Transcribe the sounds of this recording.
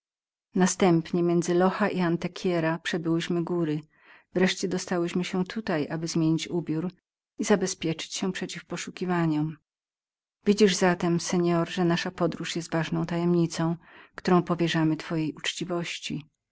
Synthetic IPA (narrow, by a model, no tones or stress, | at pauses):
nast̪ɛmpɲɛmʲjɛnd̪zɘlɔxaʔiant̪ɛkʲʰjɛɾapʂɛbɘwɘɕmɘɡuɾɘ | vɾɛʂt͡ɕɛd̪ɔst̪awɘɕmɘɕɛt̪ʰut̪ajʔabɘzmʲjeɲit͡ɕubʲjuɾ | izabɛspʲjɛt͡ʂɘ̥t͡ɕɕɛpʂɛt͡ɕifpɔʂukʲivaɲɔm | vʲid͡ʑiʐzat̪ɛmsɛɲɔɾʐɛnaʂapɔd̪ɾuʂjɛst̪vaʐnɔ̃w̃t̪ajɛmɲit̪sɔ̃w̃kt̪uɾɔ̃w̃pɔvʲjɛʐamɘt̪fɔjejut͡ʂt͡ɕivɔɕt͡ɕi